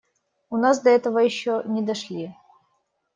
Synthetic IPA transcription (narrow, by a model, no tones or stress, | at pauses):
ʊnas̬d̪ɐɛt̪əvəjɪɕːonʲɪd̪ɐʂlʲi